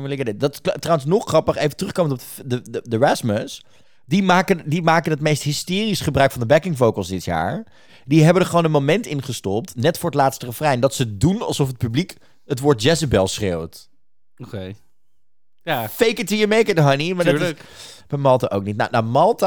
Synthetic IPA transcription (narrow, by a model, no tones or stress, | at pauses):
mɪlɪkdɪdɑtktrawənsnɔχχrɑpəχejvətrɵχkowməntɔpədəədəɹɛsməs | dimaːkəndimaːkənətmejstɦɪstɪːrisχəbrœɥkfɑndəbɛkɪŋfowkəlˠsdɪtja̰ːɹ | diɦɛbəndəɹχəʋoːnənmomɛntɪnχəstɔp̚tnɛtfʊːɹətlaːtstərəfrɛjndɑtsədunɑ̰lˠsɔfət̚pyblik | ətʋʊːɹt̚d͡ʒɛsəbɛlˠsχrewt | ke | jafejkətijəmejkədəɦɑnimaːɹd | mamɑlˠtaʔowk̚nit̚na̰namɑlˠta